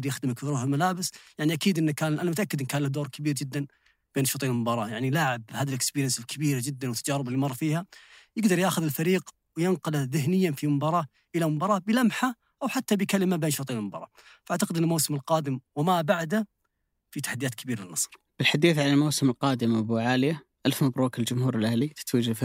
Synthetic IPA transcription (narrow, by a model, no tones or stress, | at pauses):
ɾjaxd̪ɪmɪkɪɾuhalmalaːbɪsjaʕniʔakiːd̪ʔɪnːkaːnlʔanamʊt̪ʔakːɪd̪ʔɪnkaːnlahd̪oːɾˤkabiːɾd͡ʒɪd̪ːan | b̥eːnʃuːt̪ˤiːnlmʊbɑːɾˤɑːjaʕnilaːʕɪbhaːðilʔɪkspiːɾjɪnsɪlkʰabiːɾad͡ʒɪd̪ːanwɪt̪ːad͡ʒaːɾɪbalːimɑrˤːfiːhajɪɡd̪ɑɾˤjaːxʊðɪlfaɾiːq | wjɪnqʊlaðɪɦnɪjːafimʊmbɑːɾˤɑː | ʔɪlamʊmbɑːɾˤɑːbɪlamħa | ʔawħat̪ːabɪkalɪmabeːnʃuːt̪ˤiːlmʊbɑ̰ːɾˤɑ̰ː | faʔaʕt̪aqɪd̪ʔɪnːlmawsɪmɪlqɑːd̪ɪmwɪmabaʕd̪a | fit̪ḁħad̪ːjaːt̪kʰabiːɾalɪnːɑsˤɾ | b̥ɪlħad̪iːθʕalalmawsɪmɪlqɑːd̪ɪmbuʕaːlɪjaʔalfmabɾuːkald͡ʒʊmhuːɾɪlʔahlit̪ɪ̥t̪wiːd͡ʒaf